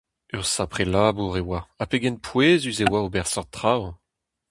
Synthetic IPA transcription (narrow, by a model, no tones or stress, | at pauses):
œʁsapχelaːbuʁewaapeɡɛnpʰweːzyzewaobɛʁsɔʁt̪χaw